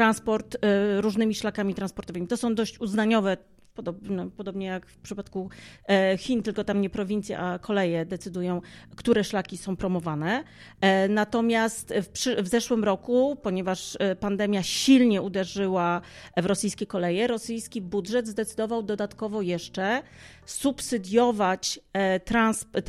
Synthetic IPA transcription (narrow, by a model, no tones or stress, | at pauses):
ɾanspɔɾt̪ɾuʐnɘmʲiʂlakamʲit̪ɾanspɔɾt̪ɔvɘmit̪ɔsɔ̃w̃d̪ɔɕt͡ɕuznaɲɔvɛ | pɔd̪ɔbnɛpɔd̪ɔbɲɛjakfpʂɘpat̪ku | xʲint̪ɘlkɔt̪amɲɛpɾɔvʲint̪sʲja̰ʔakʰɔlɛjɛd̪ɛt̪sɘd̪ujɔ̃w̃kt̪uɾɛʂlakʲisɔ̃w̃pɾɔmɔvanɛ | nat̪ɔmʲjast̪fpʂɘvzɛʂwɘmɾɔkupɔɲɛvaʂpand̪ɛmʲjaɕilɲɛʔud̪ɛʐɘwavɾɔsɘjskʲɛkɔlɛjɛɾɔsɘjskʲibudʐɛd̪zd̪ɛt̪sɘd̪ɔvawd̪ɔd̪at̪kɔvɔjɛʂt͡ʂɛsupsɘd̪ʲjɔvat͡ɕt̪ɾansp